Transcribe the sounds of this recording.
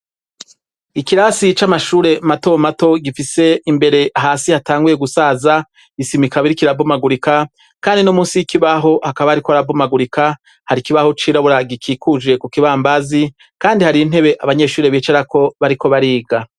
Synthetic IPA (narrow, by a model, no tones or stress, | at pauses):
ikiɾasit͡ʃamaʃuːɾe̞matomato̞ɡifise̞imbe̞ɾe̞ʔaɦaːsihataːŋɡuje̞ɡusaːza | isimikaβiɾikiɾavumaɡuɾika | kaːndinomuːsijikiβaɦo̞hakaβahaɾikoaɾavumaɡuɾika | haɾikiβaho̞t͡ʃiːɾaβoɾaɡikʰiːkʰud͡ʒe̞kukiβaːmbazi | kaːndihaɾin̥he̞βe̞ʔaβaɲe̞ʃuːɾe̞βiːt͡ʃeɾako̞βaɾiko̞βaɾiːɡa